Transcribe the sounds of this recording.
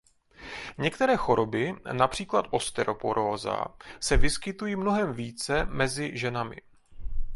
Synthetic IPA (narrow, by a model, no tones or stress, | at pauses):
ɲɛkt̪ɛɾɛːxo̞ɾo̞bɪnapr̝̥iːklat̪ʔo̞st̪ɛɾʔo̞poɾoːza̰sɛvɪskɪt̪ujiːmno̞ɦɛmviːt͡sɛmɛzɪʒɛnamɪ̰